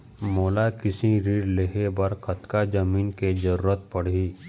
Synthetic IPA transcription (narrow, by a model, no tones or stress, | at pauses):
moːlakɪsiɾiːɖleɦebɐɾkɐt̪kad͡ʒɐmiːnked͡ʒəɾuːɾət̪̚pɐɽ̤iː